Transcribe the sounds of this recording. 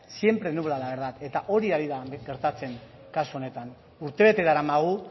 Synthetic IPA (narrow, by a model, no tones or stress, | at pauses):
sije̞mpɾe̞nuβlalaβeɾðat̪e̞t̪aʔo̞ɾiaðiðaɡe̞ɾt̪at͡se̞ŋ | kasuo̞ne̞t̪an | uɾt̪e̞β̞e̞t̪e̞ðaɾamaɣu